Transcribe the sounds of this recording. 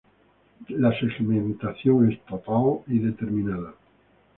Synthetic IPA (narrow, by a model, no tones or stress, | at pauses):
laseɣmẽnt̪aθjoŋest̪ot̪aliðet̪eɾmĩnaða